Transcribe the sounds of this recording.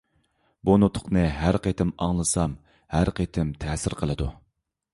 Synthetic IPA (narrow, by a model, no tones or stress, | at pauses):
bunut̪ʰʊ̥qnɨɦæɾqet̪ʰɪmɑŋlˠɨsɑm | hæɾqʰet̪ʰɪmt̪ʰɛːsɪɾqʰəlˠɨd̪ṵ